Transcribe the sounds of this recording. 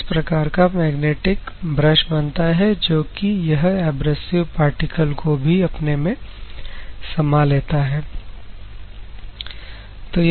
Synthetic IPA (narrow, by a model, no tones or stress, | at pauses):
spɾɐkaːɾkamɛːɡneːʈɪkbɾəʃbɐnt̪aɦɛd͡ʒoːkijɐɦɛːbɾəsɪʋpaːɾʈɪkəlkobʱiɐpnemẽ | sɐmaleːt̪aɦɛː | t̪oː